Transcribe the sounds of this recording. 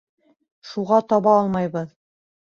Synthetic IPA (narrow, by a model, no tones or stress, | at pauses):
ʃuʁɑt̪ɑβɑɑlˠmɑjβɤð